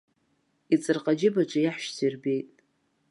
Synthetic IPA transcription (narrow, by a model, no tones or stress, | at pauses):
it͡sʼɨrqʼad͡ʒɪbaʈ͡ʂʷʰajaħʃt͡sʰirbe̞jtʼ